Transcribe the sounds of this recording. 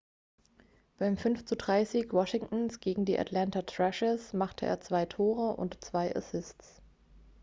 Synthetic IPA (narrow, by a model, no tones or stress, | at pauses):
b̥aɪmfʏnft͡sudʁaɪziːkwɔʃɪŋtn̩sɡ̥eːɡŋ̩diːʔa̰tʰlantatʁ̥ɛʃɪsmaχtʰəʔḛːɐt͡sv̥aɪtʰoːʁəʔʊ̰ntt͡sv̥aɪʔa̰sɪstt͡s